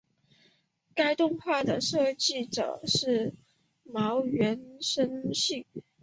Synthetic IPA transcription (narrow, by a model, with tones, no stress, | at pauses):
ka˥ɪt̪ʊ˥˧ŋxwa˥˩d̪ə˩ʂɤ˥˧t͡ɕi˥˩ʈ͡ʂɤ̰˨˩ʂɻ̩˥˩ | mɑ˧˥ʊɥɛ˧˥nʂə˥nɕi˥˩ŋ